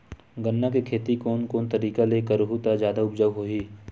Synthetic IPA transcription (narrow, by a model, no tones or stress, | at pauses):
ɡənːakekʰeːt̪ikoːnkoːnt̪əɾiːkaleːkəɾɦut̪ad͡ʒjaːd̪aʊpd͡ʒaʋɦoːiː